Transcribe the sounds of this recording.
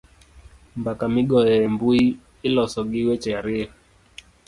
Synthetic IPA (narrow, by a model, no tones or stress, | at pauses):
mbakamiɡɔjɛɛmbui | ilɔsɔɡiwɛt͡ʃɛaɾia